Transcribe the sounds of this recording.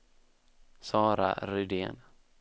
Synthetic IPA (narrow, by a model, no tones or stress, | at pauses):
sɑːɾa̰ɾʏd̪eːn